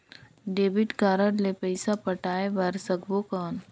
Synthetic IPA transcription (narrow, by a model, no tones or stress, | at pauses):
ɖeːbɪʈkaːɾəɽlepəɪsapɐʈaːeʋɐɾsəɡbokaːn